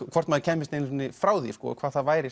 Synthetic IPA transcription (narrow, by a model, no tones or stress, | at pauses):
kʰvɔr̥t̪maðɪcʰɛːmːɪst̪ennːɪfɾaːwðḭ̥skɔ̰kʰvaːðθaðvaːjɾɪ